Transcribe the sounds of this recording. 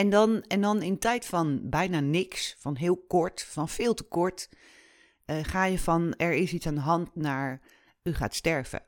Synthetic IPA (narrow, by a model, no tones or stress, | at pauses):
ɛndɑnɛndɑnɪntɛjtfɑnbɛjnaːnɪksfɑnɦɪːlˠkɔɹtfɑnv̥ɪːlˠtəkɔɹt | χaːjəvɑnɛɹɪsitsaːndəɦɑntnaːɹ | yχa̰ːtstɛɹv̥ə̰